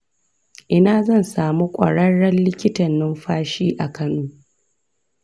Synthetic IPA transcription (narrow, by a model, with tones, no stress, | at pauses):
ʔɪ˦naː˨zɐ˦˨nsaː˨mu˦kʷʼɐ̰˨ɽɐ˦ɽɐ˦nlɪ˦kʲɪ˦tɐ˨nːɪ˦mɸaː˦ʃiː˦ʔa˨kʰɐ˦nuː˦